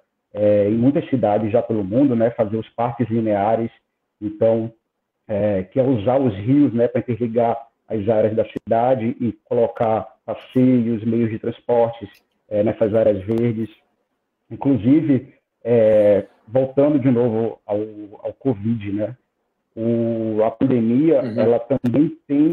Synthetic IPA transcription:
ɛẽj̃mũj̃t̪ɐsːid̪ad͡ʒɪzʒapelʊmũnd̪ʊnɛfazeɾʊspaɾkɪzlineaɾɪs | ẽt̪ɐ̃w̃ | ɛkɪɛuzaɾʊzhiʊsnɛpɾɐĩt̪eɾliɡaɾ | a̰zaɾɐzd̪ɐsid̪ad͡ʒɪʔɪkolokaɾpasejʊzmejʊzd͡ʒɪt̪ɾɐ̃spɔɾt͡ʃɪs | ɛnɛsɐzaɾjɐzveɾd͡ʒɪs | ĩkluzivɪ | ɛ | vowt̪ɐ̃nd̪ʊd͡ʒɪnovʊawa̰wkovid͡ʒɪnɛ | ʊɐpɐ̃nd̪emiɐɛlɐt̪ɐ̃bẽj̃t̪ẽj̃

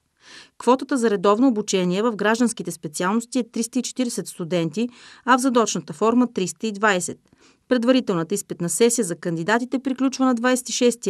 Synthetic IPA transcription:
kvɔt̪ət̪əzɐɾɛd̪ɔvnoːbut͡ʃɛniɛvəvɡɾaʒd̪ənskit̪ɛspɛt̪sialˠnost̪iɛt̪ɾist̪əit͡ʃɛ̥t̪iɾɛsɛt̪st̪ud̪ɛnt̪iɐvzɐd̪ɔt͡ʃnət̪əfɔɾmət̪ɾist̪əid̪vajsɛt̪̚ | pɾɛd̪vɐɾit̪ɛlˠnət̪əispɛt̪nɐsɛsijəzɐkənd̪id̪at̪it̪ɛpɾiklʲut͡ʃvənɐd̪vajsɛ̥t̪iʃɛst̪i

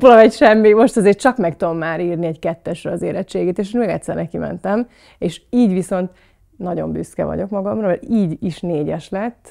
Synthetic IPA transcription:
polɒɛcʃɛmːimo̞ʃt̪ɒzeːrt͡ʃɒkmɛkt̪ud̪o̞mːaːɾiːrniɛɟkɛt̪ːɛʃrɛɒzḛːɾɛt͡ʃːeːɡeːt̪eːʃenmeːɡɛct̪sɛ̰rnɛkimɛ̰nt̪ɛm | eːʃiːɟʋiso̞nt̪ | nɒɟo̞̰mby̰skɛ̰vɒ̰ɟo̞kmɒɡɒmrɒɛiːɟiʃneːɟɛʃlɛt̪ː

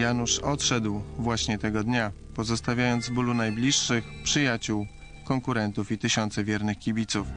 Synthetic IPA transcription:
januʂɔt̪ʂɛd̪wvwaɕɲɛt̪ɛɡɔd̪ɲa | pɔzɔst̪avʲjajɔnd̪zvbulunajblʲiʂːɘxpʂɘjat͡ɕuw | kɔŋkuɾɛnt̪ufit̪ɘɕɔnt̪sɛvʲjɛɾnɘxkʲibʲit̪suf

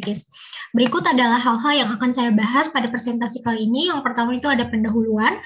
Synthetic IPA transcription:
kɪs | bəɾikʊt̪adalahɦːalɦaljaŋakansajabaɦaspadapɾesɛnt̪asikaliːnijaŋpərt̪amait̪uadapəndaɦuluan

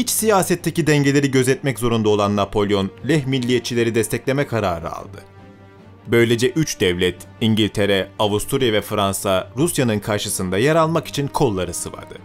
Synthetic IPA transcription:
hit͡ʃsijaːsɛt̪ʰːecid̪ɛɲɟe̞lʲe̞ɾiɟø̞zɛt̪mɛczo̞ɾund̪ao̞lˠanːapʰo̞lʲjo̞nlʲɛɦmilʲːijet̪̚t͡ʃʰilʲe̞ɾid̪ɛst̪ʰɛclʲe̞mɛkʰaɾaːɾɯ̰a̰lˠd̪ɯ̰ | bø̞jlʲe̞d͡ʒɛʔyt͡ʃd̪ɛvlʲɛt̪ | iɲɟilʲt̪ʰe̞ɾɛavust̪ʰuɾjavɛfɾansaɾusjanɯnkʰaɾʃɯsɯnd̪ajɛɾalˠmaki̥t͡ʃʰinkʰo̞lˠːaɾɯsɯva̰ɾd̪ɯ

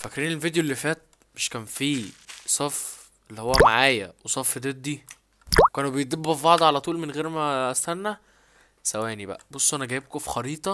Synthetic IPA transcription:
fækɾiːnelvid̪ejolːifæːt̪̚ | meʃkæːnfiːsˤɑf | ʔelːihowːæmaʕaːjæwesˤɑfːed̪ed̪ːi | wekæːnbejd̪ebːæfbɑʕd̪ˤʕalæt̪ˤuːlmenɣeːɾmæʔæst̪ænːæ | sæwæːnibæ̰ʔæbosˤːoʔænæɡæːjeb̚kofi̥xɑɾiːt̪ˤɑ

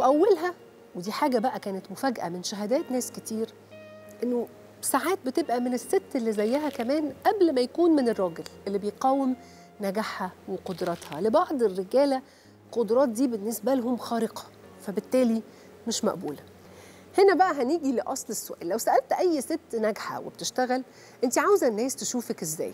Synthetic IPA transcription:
weʔæwːælɦæ | wed̪iːħaːɡæbæʔækæːnet̪mofæɡʔæ̰menʃæɦæd̪æːt̪næːsket̪iːɾ | ʔenːo | saʕaːt̪̚bet̪ebʔæmenesːet̪ːelːizæjːæɦækæmæːnʔæblmæjækuːnmenerˤːɑːɡelʔelːibejeqɑːwːem | næɡaħhæweqod̪ɾˤɑt̪hɑlebɑʕd̪ˤerːeɡæːlæ | qod̪ɾˤɑːt̪̚d̪iːbenːesbælhomxɑːɾeqɑ̥ | fæbet̪ːæːli | meʃmæ̰ʔbṵːlæ | henæbæʔæɦæniːɡileʔɑsˤlesːoʔæ̰ːlːæwsæʔælt̪ʔæjːset̪ːnæɡħa̰wḛb̥̚t̪eʃt̪æɣæl | ʔent̪iʕawzæʔnːæːst̪eʃuːfækezːæ̰ːj

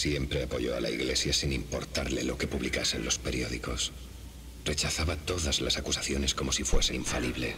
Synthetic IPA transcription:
sje̞mpɾe̞apo̞ʝo̞a̰la̰iɣle̞sjasinimpo̞ɾt̪aɾle̞lo̞ke̞puβlikase̞̰nlo̞spe̞ɾijo̞ðiko̞s | re̞t͡ʃaθaβat̪o̞ðazlasakusaθjo̞ne̞sko̞mo̞sifwe̞se̞iɱfaliβle̞

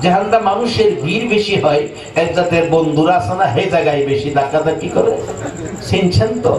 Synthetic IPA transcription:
d͡ʑaɦand̪amanuʃeɾbʱiɾbeʃiɦɔj | ɛk̚zat̪eɾbond̪ʱuɾasanaɦed͡ʑaɡajbeʃid̪akat̪akikɔɾesent͡ɕʰent̪o̰

